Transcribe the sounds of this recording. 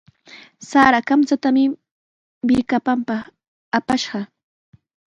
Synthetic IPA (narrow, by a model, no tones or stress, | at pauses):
saːɾakamt͡sat̪amɪ | bɪɾkapampɑ | apaʃɢɑ